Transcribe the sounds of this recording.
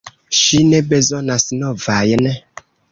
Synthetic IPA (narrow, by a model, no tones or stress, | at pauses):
ʃinɛbezonasnɔvajənɛ